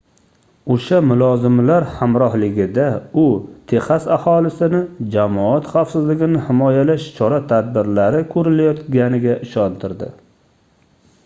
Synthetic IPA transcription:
oʃamʊlˠɒzɪmlaɾhamɾɒhlɪɡʲɪd̪aʊt̪ʰeχasahɒlɪsɪnɪd͡ʒamɒat̪χawsɪzlɪɡʲɪnɪhɪmɒjalaʃt͡ʃʰɒɾat̪ʰad̪̚bɪɾlaɾɪkʰɵɾɪlajɒt̪ɡʲanɪɡʲaʔɪʃɒnt̪ʰɪɾd̪ɪ̰

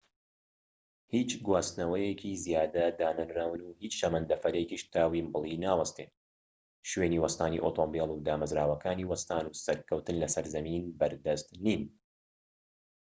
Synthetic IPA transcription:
hiːt͡ʃɡwaːst̪nɐwɐjɛkʰizijaːd̪ɐd̪aːnɨnɾawnuːhiːt͡ʃʃɐmɐnd̪ɐfɐɾekiʃt̪ʰaːwimbɨlˠinaːwɐst̪eːn | ʃweːniːwɐst̪aːnḭʔoːt̪ʰoːmbelˠud̪aːmɐzɾaːwɐkʰaːniːwɐst̪aːnuːsɐɾkɐwt̪ɨnlɐsɐɾzɐmiːnbɐɾd̪ɐst̪niːn

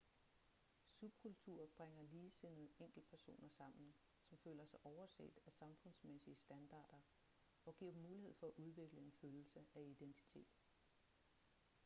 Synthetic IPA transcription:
sub̥̚kʰult͡sʰuɐ̰b̥ʁeŋ̰ɐliːse̝n̩eŋ̰ɡ̥l̩d̥̚pʰæɐso̝̰ːnɐsɑ̈m̰n̩ | sɒ̽mføːlɐsɑ̈ɪʔɒʊɐsḛːd̥æsɑ̈mfɔ̽n̰smesiəsd̥ænd̥ɑ̈ːd̥ɐ | ɒ̽ɡ̥iɐ̰̥mːuːlihe̝ð̞̰ˠfɒ̽æʔuð̞ˠʋe̝ɡ̥ləe̝nføːll̩səæid̥ent͡sʰi̥t͡sʰe̝̰ːd̥

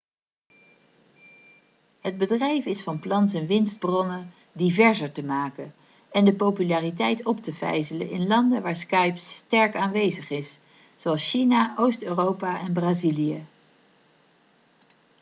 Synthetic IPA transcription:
ɦəd̚bədrɛjfɪsfɑnplɑns̬ɛnʋɪnsd̚brɔnə | divɛɹzəɹtəmaːkən | ɛndəpowpylaːritɛjtɔptəvɛ̰jzələ̰nɪnlɑndəʋaːɹskɑjpstɛɹkaːnʋejzəχɪs | z̥oɑlˠsʃinaʔowstøːrowpaʔɛnbraːzilijə

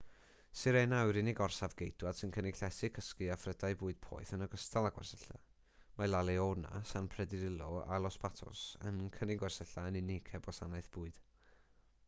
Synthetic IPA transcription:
sɨɾɛnawɾɪnɪɡɔrsavɡejd̥wad̥sɪnkʰənɪkɬɛsɪkʰəskɨafrədaɨbuːɨd̥̚pʰɔ̰ːɨθənəɡəstalˠaɡwɛ̰rsəɬa̰ | majlˠalˠɛɔna̰sanpʰrɛdɪɾɪlˠɔa̰lˠɔspatʰɔ̰sə̰nkʰənɪɡwɛrsəɬaənɪnɪkʰɛbɔsanajθb̥uːɨd̥

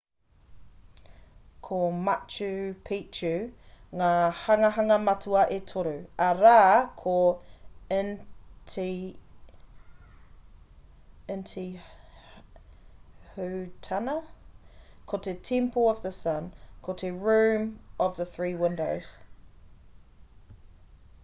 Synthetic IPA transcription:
kʰomɐt͡ʃʉpʰit͡ʃʉŋaːhɐŋɐɦɐŋɐmɐtʰuɐʔetʰoɾʉɐɾaːkʰo | ntʰi | ɪntʰi | hʉtʰɐnɐ | kʰotʰetʰĩmpoɔvðəsɐ̃nkʰot̪ʰeɹʉ̃ːmɔvðəθɹiːwɪ̃ndoʊz̥

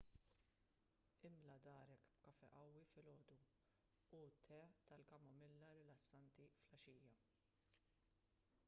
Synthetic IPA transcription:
ɪmlɐd̪ɐːɾɛkbkɐfɛʔɐwːifɪlɔːd̪u | ut̪ʰːɛt̪ɐlkɐmɐmɪlːɐɾɪlɐsːɐnt̪iflɐʃiːjɐ

